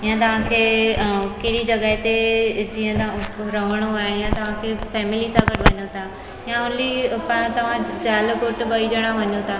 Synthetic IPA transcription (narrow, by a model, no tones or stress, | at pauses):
ɪjãt̪̬ɐʋ̤ãkʰeːkɐɦɽid͡ʑɐɡəɦɪt̪ed͡ʑiːə̃t̪ɾɐʋəɽ̃oaːejãt̪ɐʋ̤ãkʰefɛːmɪlisãɡəʈʋɐɲot̪ʰa | jãʊlipãt̪ɐʋ̤ãd͡ʑaːlkoːʈbɐid͡ʑəɽ̃ãʋɐɲot̪ʰaː